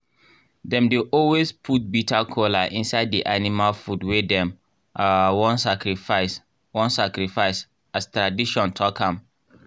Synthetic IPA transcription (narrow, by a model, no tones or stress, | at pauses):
dɛ̃mdeʔɔlwespʰut̚bitakʰolaʔĩnsaɪddiʔanimalfudwɛdɛ̃m | awɔ̃nsakɾifaɪs | wɔ̃nsakɹifaɪs | astɹadiʃɔ̃ntʰɔkʰãm